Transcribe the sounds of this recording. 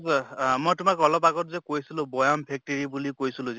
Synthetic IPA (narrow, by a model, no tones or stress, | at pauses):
mojtʊmakɔlɔpaɡɔtzɛkojsilʊ̃bɔjɔmpʰɛk̚teɹibulikojsilʊ̃zɛ